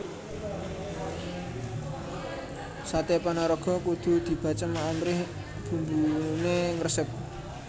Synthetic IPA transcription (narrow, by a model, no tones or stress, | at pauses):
sat̪epanaɾɔɡ̥ɔ̤kud̪̥ṳd̪̥i̤b̥a̤t͡ʃəmaamɾɪh | b̥ṳmbuneŋərsəp̚